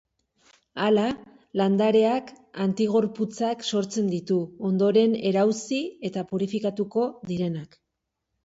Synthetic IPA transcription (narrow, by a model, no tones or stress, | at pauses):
ala | land̪aɾe̞ak | ant̪iɣo̞ɾput͡sakso̞ɾt͡se̞nd̪it̪uo̞nd̪o̞ɾe̞ne̞ɾawsie̞t̪apuɾifikat̪uko̞ðiɾe̞nak